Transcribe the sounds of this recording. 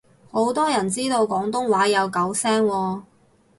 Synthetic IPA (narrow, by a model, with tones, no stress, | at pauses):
ho˨˥wt̪ɔː˥jɐ˨˩nt͡siː˥t̪o˧wkɔː˨˥ŋt̪ʊ˥ŋwaː˨˥jɐ˨˧wkɐ˨˥wsɛː˥ŋwɔː˧